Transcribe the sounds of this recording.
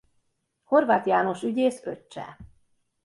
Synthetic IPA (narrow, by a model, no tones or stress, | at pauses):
ho̞rvaːt̪jaːno̞ʃyɟeːsø̰t͡ʃːɛ̰